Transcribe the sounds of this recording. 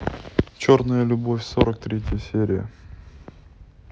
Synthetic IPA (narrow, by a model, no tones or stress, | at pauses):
t͡ɕo̞rnəjəlʲʊbo̞fʲso̞ɾək̚t̪ɾʲetʲɪjəsʲeɾʲɪjə̰